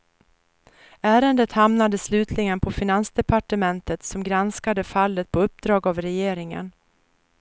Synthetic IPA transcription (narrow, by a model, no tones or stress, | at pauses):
æːɾənd̪ət̪hamnad̪əslʉ̟ːt̪ʰlɪɡənpʰɔfɪnansd̪ɛpaʈəmɛnt̪ət̪sɔmɡɾanskad̪əfalːət̪̚pʰɔɵp̚ːd̪ɾɑːɡavɾɛjeːɾɪŋə̰n